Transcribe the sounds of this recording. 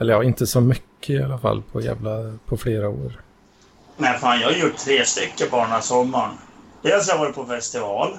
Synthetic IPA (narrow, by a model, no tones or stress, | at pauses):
ɛlːəjɑːɪnt̪əsɔmʏkʰːəɪalːafa̰lːpʰɔjæ̰ːvlapʰɔfleːɾao̰ːɾ | næɪfaːnjɑːhajjʊʈʰtʰːɾeːst̪ʏkːəbɑːɳasɔmːaɳd̪ɛls̬javɑːɾɪt̪̚pʰɔfɛst̪ɪvɑːl